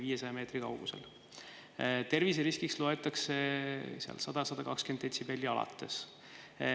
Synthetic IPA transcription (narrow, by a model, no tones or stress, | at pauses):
viːjesɑjɑme̞ːt̪rikɑ̰wɡ̥usḛl | t̪e̞rviseɾiskikslo̞e̞t̪ːˑɑkse̞seɑ̰lsɑd̪̥ɑsɑd̪̥ɑkɑkske̞nd̪ˑensibelʲːiɑlɑ̰t̪ːˑe̞̰s